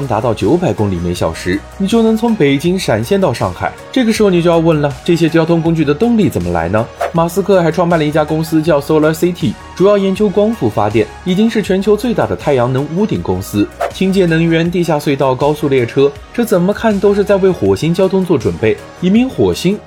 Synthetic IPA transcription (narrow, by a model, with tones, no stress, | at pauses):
ŋt̪a˧˥t̪ɑ˥˩ʊt͡ɕjo˧˥ʊpa˧˩ɪkʊ˥ŋli˨˩me˧˥ɪɕjɑ˨˩ʊʂɻ̩˧˥ni˨˩t͡ɕjo˥˩ʊnɤ˧˥ŋt͡sʰʊ˧˥ŋpe˨˩ɪt͡ɕi˥ŋʂa˨˩nɕjɛ˥˧nt̪ɑ˥˧ʊʂɑ˥˧ŋxa̰˨˩ɪʈ͡ʂɤ˥˩ɡə˩ʂɻ̩˧˥xo˥˧ni˨˩t͡ɕjo˥˧jɑ˥˧ʊwə˥˩nlə˩ʈ͡ʂɤ˥˩ɕ̬jɛ˥t͡ɕjɑ˥˧t̪ʰʊ˥ŋkʊ˥ŋt͡ɕy˥˩d̪ə˩t̪ɤ˥˧ŋli˥˩t͡sə˨˩nmə˦la̰˧˥ɪnə˧ma˨˩sɹ̩˥kʰɤ˥˧xa˧˥ɪʈ͡ʂʰwɑ˥˧ŋpa˥˩nlə˧i˥˩t͡ɕja˥kʊ˥ŋsɹ̩˥t͡ɕjɑ˥˧ʊso˥ʊlə˧˥si˥t̪ʰi˥˩ | ʈ͡ʂu˨˩jɑ˥˩ʊjɛ˧˥nt͡ɕjo˥ʊkwɑ˥ŋfu˥˩fa̰˥t̪jɛ˥˩ni˨˩t͡ɕi˥ŋʂɻ̩˥˩t͡ɕʰɥɛ˧˥nt͡ɕʰjo˧˥ʊt͡swe˥˧ɪt̪a˥˩d̪ə˩t̪ʰa˥˩ɪjɑ˧˥ŋnɤ˧˥ŋu˧˥t̪i˨˩ŋkʊ˥ŋsɹ̩˥t͡ɕʰi˥ŋt͡ɕjɛ˥˩nɤ˧˥ŋɥɛ˧˥nt̪̬i˥˧ɕ̬ja˥˧swe˥˧ɪt̪ɑ˥˩ʊkɑ˥ʊsu˥˧ljɛ˥˩ʈ͡ʂʰɤ˥ | ʈ͡ʂɤ˥˩t͡sə˨˩nmə˦kʰa˥˩nt̪o˥ʊʂ̬ɻ̩˥˧t͡sa˥˧ɪwe˥˩ɪxwɔ˨˩ɕi˥ŋt͡ɕjɑ˥ʊt̪ʰʊ˥ŋt͡swɔ˥˩ʈ͡ʂwə˨˩npe˥˩ɪ | i˧˥˩mi˧˥ŋxwɔ˨˩ɕi˥n